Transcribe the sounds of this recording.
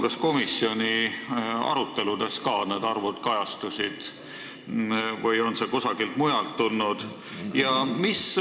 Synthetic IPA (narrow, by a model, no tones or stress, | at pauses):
ɡ̥ɑsko̞misːio̞nʲi | ɑ̰ɾut̪ˑːe̞lud̪̥e̞skɑːne̞d̪ɑrvud̪̥kɑjɑst̪usid̪̥ | vɤjo̞nse̞kosɑɡ̥ilt̪mujɑlt̪ːulnud̪̥ | jɑmis